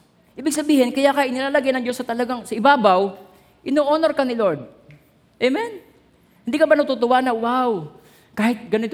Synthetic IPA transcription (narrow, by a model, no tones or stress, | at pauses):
ʔiːbɪɡ̚sɐbiːhɪnkɐjakɐʔɪnɪlaːlɐɡajnɐŋd͡ʒosɐt̪ɐlɐɡaŋsɐɪbaːbɐw | ʔɪnoːʔoːnoɾkɐnɪloɹd̪̚ | ʔɛmɛn | hɪnd̪iːkɐbanɐɡt̪ut̪ʊwanɐwaw | kaːhɪt̪̚ɡɐnɪnɪt̪